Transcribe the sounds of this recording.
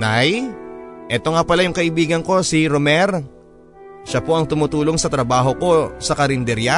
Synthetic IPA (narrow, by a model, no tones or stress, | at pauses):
naj | ʔɛt̪o̞ŋapɐlajʊŋkɐʔɪbiːɡɐnko̞siɾomɛɾ | ʃapo̞ʔɐŋt̪ʊmʊt̪uːlo̞ŋsɐt̪ɾɐbaːɦo̞ko̞sɐkɐɾɪnd̪ɛɾja